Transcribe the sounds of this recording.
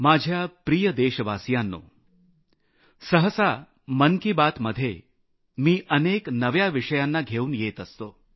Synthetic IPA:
mad͡ʑʱjapɾijəd̪eɕəʋasjanːo̰ː | səɦəsa | məŋkibat̪məd̪ʱːje | miːʔəneknəʋjaʋiʂəjanːaɡʱeuːnjet̪əst̪oː

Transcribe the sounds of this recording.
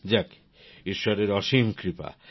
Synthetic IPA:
d͡ʑak | iʃːɔɾeɾɔʃimkɾipa̰

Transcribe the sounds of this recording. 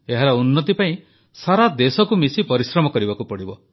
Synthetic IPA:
eɦaɾɔunːɔt̪̬ipaĩ | saɾad̪esɔkumisipɔɾisɾɔmɔkɔɾibakupɔɽibɔ

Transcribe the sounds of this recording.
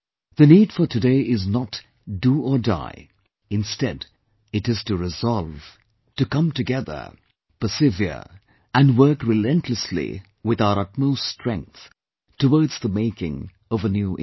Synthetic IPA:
ðɨnid̥fə˞tʰɨdeɪɪznət | d̥əəda̰ɪ | ɨ̃nstɛd | ɨɾɨz̥tɨɹɪzɑlˠv̥ | tɨkʌ̃mtɨɡɛðə̰˞ | pəsɪviə̰ | ɨ̃nwɜ˞kɹɨlɛ̃ntʰləslḭ | wɪðaʊəɾʌt̚moʊststɹ̥ɛ̃ŋk̚θ | təwɔɹdz̥ðəmeɪkɪ̰̃ŋ | ʌvənjuʔ

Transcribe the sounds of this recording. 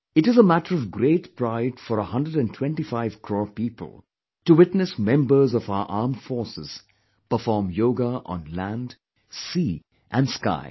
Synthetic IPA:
ɪʈɨzəmæʈəɾɔvɡɾeːʈpɾaɪdfɔɾəhʌ̃ndəɖæ̃ntʰw̥ɛ̃nʈifaɪv̥kʰɹɔːpiːpə̰l̩ˠ | tuwɪtnɨsmɛ̃mbə˞zɔfaʊə̰˞ʔaːmfɔɹsɪz̥ | pəfɔːɹmjoːɡaʔə̰̃nlæ̃nd | siː | ʔæ̃nska̰ɪ

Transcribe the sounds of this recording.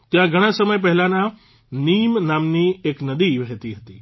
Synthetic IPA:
t̪ijãɡʱɐɽ̃ãsɐməjp̬ɐɦɪlãnã | niːmnaːmnieːknɐd̪iʋɐɦet̪iɦɐt̪ḭː

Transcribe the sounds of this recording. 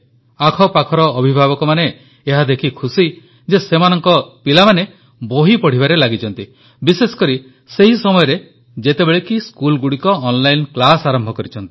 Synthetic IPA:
akʰɔpakʰɔɾɔːbʱibʱabɔkɔmaneː | ɦad̪ekʰikʰusi | d͡ʒesemanɔŋkɔpilamane | boɦipɔɽ̤ibaɾelaɡit͡ʃʰɔnt̪i | bisesɔ̥kɔɾi | seɦisɔmɔjɔɾe | d͡ʒet̪ebeɭekiskulɡuɽikɔːnlajnklasaɾɔmbʱɔkɔɾit͡ʃʰɔnt̪i̥

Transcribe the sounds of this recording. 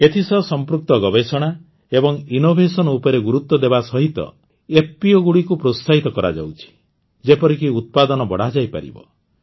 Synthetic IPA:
et̪ʰisɔsɔmpɾuk̚t̪ɔɡɔbesɔɽ̃a | ebɔŋinobʱesɔnɔupɔɾeɡuɾut̪ːɔd̪ebasɔɦit̪ɔ̰ | ep̚piɔɡuɽikupɾosaɦit̪ɔkɔɾa̰d͡ʒa̰wt͡ʃʰi̥ | d͡ʒepɔɾikiut̪̚pad̪ɔnɔbɔɽ̤ad͡ʒajpa̰ɾḭbɔ̰

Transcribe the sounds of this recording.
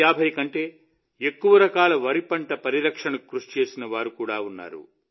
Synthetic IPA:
aːbʱɐjkɐɳʈe̞ː | ekːuʋɐɾɐkaːlɐʋɐɾipɐɳʈɐpɐɾiɾɐkʂɐɳɐkɾuʂt͡ʃe̞ːsinɐʋaːɾukuːɽaːunːa̰ːɾṵ

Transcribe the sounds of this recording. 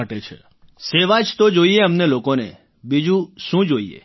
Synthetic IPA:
aʈet͡ʃʰḛ | seʋad͡ʒt̪od͡ʒoieəmnelokonḛ | bid͡ʒũʃũd͡ʒoiḛ

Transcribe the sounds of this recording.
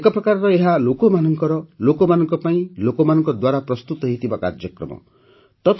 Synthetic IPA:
ekɔpɾɔkaɾɾɔeɦalokɔmanɔŋkɔɾɔlokɔmanɔŋkɔpaĩlokɔmanɔŋkɔd̪waɾapɾɔst̪ut̪ɔɦit̪ʰibaka̰ɾd͡ʒjɔkɾɔ̰mɔ̰ | t̪ɔt̪ʰ

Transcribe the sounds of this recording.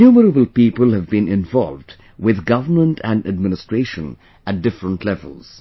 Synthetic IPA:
juməɾəbəl̩ˠpiːpəlˠhɨvbĩnɪ̃ɱvɔ̰lˠvd | wɪðɡʌvə˞mə̃ntʰæ̃ndɨd̚mɪnɪstɹ̥eɪʃə̰̃n | æt̚dɪfɹə̃ntʰlɛvə̰lˠz̥

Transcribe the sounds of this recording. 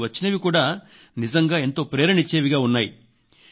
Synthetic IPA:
ʋɐt͡ʃːinɐʋikuːɽaː | nizɐŋɡaːe̞nt̪o̞ːpɾeːɾɐɳit͡ʃeːʋiɡaːunːaːjḭ

